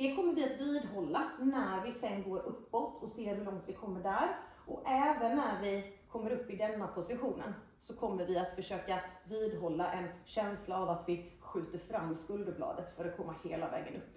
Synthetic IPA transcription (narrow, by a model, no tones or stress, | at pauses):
d̪̥ɛkʰɔmːəɾvɪat̪viːd̪ɦɔlːanæɾvɪsɛnːɡoːɾʔɵpːɔt̪ːʰɔseːɾhɵlɔŋt̪vɪkʰɔmːəɖæɾ | ʔɔɛːvənːæɾvɪkʰɔmːəɾɵpːɪd̪ɛnːapʰʊsɪɧuːnə̰n | sɔkʰɔmːəɾvɪat̪fœʂøːkaviːd̪ɦɔlːaʔɛnɕɛnslaːvat̪vɪɧʉ̟ːt̪əɾfɾamːskɵld̪əblɑ̰ːd̪ət̪fœɾɔtkʰɔmːaheːla̰vɛ̰ːɡənɵpː